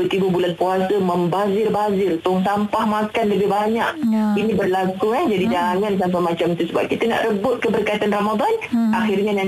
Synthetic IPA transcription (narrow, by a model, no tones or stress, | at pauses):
ət̪ibubulanpuasəməmbazɪrbaazɪrt̪ʊŋs̬ampahmakanləbɪhbaɲak̚inĩbərlakuɛhd͡ʒadid͡ʒaŋans̬amp̬amat͡ʃamt̪usəba̰p̚kit̪əna̰ʔɾəbʊt̪̚kəbərkait̪anramad̪ɔnʔaxirɲana